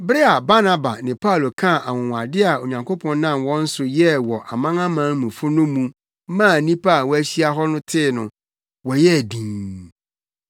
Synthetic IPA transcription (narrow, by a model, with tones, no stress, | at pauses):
bɾɪ˦a˨ba˦nã˦ba̰˨nɪ̃˨pʰa˦˨lo˨kʰã˦˨ʔa˨wʊ̃˨wa˨dɪ˦a˨o˨ɲã˨ŋkʰo˦pʰɔ̃˦nːã˦˨mwɔ̃˦n̩˦sʊ˨jɛ˦wɔ˨ʔa˨mã˦ŋã˦mã˦mũ˨fʊ˦nʊ̃˦mũ˦ | mã˦˨nĩ˦pa˦˨wɔ˦æ˦ɕi˦a˦ɦɔ˦nʊ̃˦tʰɪ˦nʊ̰̃˨ | wɔ˨jɛ˦˨dĩ˨